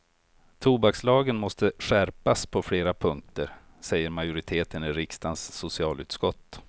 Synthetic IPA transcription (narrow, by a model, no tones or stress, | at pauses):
t̪ʰuːbakslɑːɡənmɔst̪əɧæɾpaspʰɔfleːɾapʰɵŋk̚t̪əɾ | sɛjːəɾmajʊɾɪt̪ʰeːt̪ənɪɾɪkst̪ansːʊsɪɑːlʉ̟ːt̪skɔt̪ː